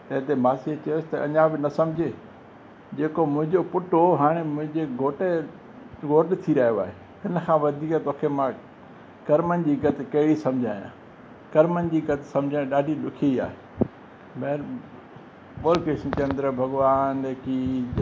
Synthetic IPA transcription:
t̪ɐɦɪ̃t̪emaːsiet͡ɕɐjʊsɪ̥t̪ɐʔɐ̰ɲãbɪnɐsɐ̃md͡ʑʱeː | d͡ʑeːkomʊ̃ɦɪ̃ɲd͡ʑopʊʈoɦaːɽ̃emʊ̃ɦɪ̃ɲd͡ʑeɡʱoːʈe | ɡoːʈɪt̪ʰiɾɐɦijoa̰ːɦe | hɪnə̆kʰãʋɐd̪ʱiːkːt̪oːkʰemã | kɐɾmənɪ̆d͡ʑiːɡɐt̪ɪkɐɦɪɽisɐ̃md͡ʑʱaːjã̰ː | kɐɾmənɪ̆d͡ʑiːɡɐt̪ɪsɐ̃md͡ʑʱãẽɗaːɖʱiɗʊkʰia̰ːɦe | meɾ | ɓoːlkeʃnt͡ɕɐ̃nd̪ɾəbʱɐɡʋaːneːki

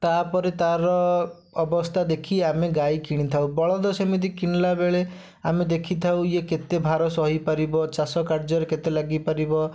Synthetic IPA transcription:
t̪apɔɾet̪aɾɔː | bɔst̪ʰad̪ekʰiameɡajkiɽ̃it̪ʰaũbɔɭɔd̪ɔsɔmit̪ikinlabeɭe | amed̪ekʰit̪ʰawjeket̪ebʱaɾɔsɔɦipaɾibɔt͡ʃasɔkaɾd͡ʒɔɾeket̪elaɡipaɾibɔ

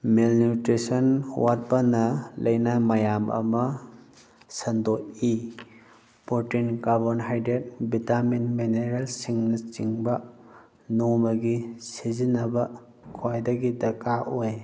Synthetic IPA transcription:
melnutɾesɔnwat̚bɐnɐlɐjnɐmɐjamɐ̰mɐ | sɐndoi | poɾtinɡabɐnɦajdet̚bitaminmeneɾelsiŋnɐt͡ʃiŋbɐ | nomɐɡisizinɐbɐ | kʰwajdɐɡidɐkaʔoj

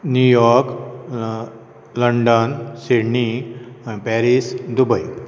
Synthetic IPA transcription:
njujɔɾk | ləɳɖənseɽɳi | pɛɾisd̪ubəj

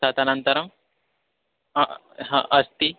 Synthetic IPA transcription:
aːt̪ɐnɐnt̪ɐɾɐm | ɦʔɐst̪i

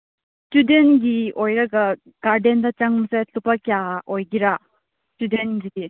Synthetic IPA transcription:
studenɡiɔjɾaɡa | ɡ̥aɾdendat͡ʃaŋmɯsajtupakiaɔjɡiɾa | studenɡidi

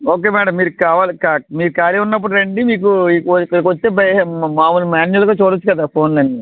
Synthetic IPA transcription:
oːk̬e̞ːmɛːɽɐmːiːɾukaːʋaːlikaːmiːɾukaːɾiunːɐp̬ːuɽunɐɳɖimiːk̬uikkːɐɽikʋot͡ʃːt̪eːbɐjmaːmulumaːnɐlkɐːt͡ʃoːɽot͡ʃːukɐd̪aːpʰo̞ːnlɐɳɖi

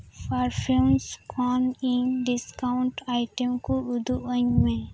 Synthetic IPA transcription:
pʰaːɾfʰɪlmskɔːnɪ̃nɖɪskaʊ̃ɳʈaːɪʈəmkoʊd̪uə̃ɲmẽ

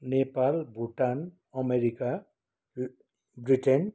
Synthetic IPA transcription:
nepalbuʈan | ʌmeɾika | bɾiʈen

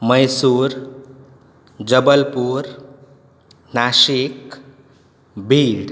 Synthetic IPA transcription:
mʌjsuɾ | d͡ʒəbəlpuɾ | naʃik | bʱiɖ

